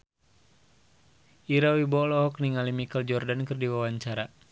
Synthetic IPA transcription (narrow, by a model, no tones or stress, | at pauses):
ʔiɾawibɔlɔɦɔk̚niŋalimikəld͡ʒɔrdankɨrdiwawaɲt͡ʃaɾa